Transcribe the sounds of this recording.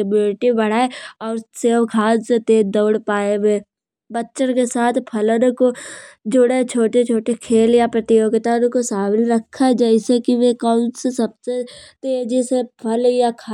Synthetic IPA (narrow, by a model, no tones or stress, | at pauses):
bʊlɪʈibɐɽ̤aːeɔːɾseːʋkʰaːd͡ʒset̪eːd̪əːɽpaːeweː | bətːʃəɾkesaːt̪ʰpʰɐlənkod͡ʒʊɽet͡ʃʰoːʈet͡ʃʰoːʈekʰeːljapɾət̪ioket̪ənkosaːbɪlɾəkʰːad͡ʒaisekiʋekaʊnsesɐb̚set̪eːd͡ʒisepʰɐljakʰː